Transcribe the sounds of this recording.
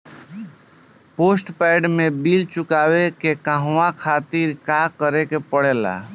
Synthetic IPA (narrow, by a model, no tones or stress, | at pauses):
posʈpaɪɖmebilt͡ʃukabekekaɦakʰat̪iɾkakəɾekepəɽela̰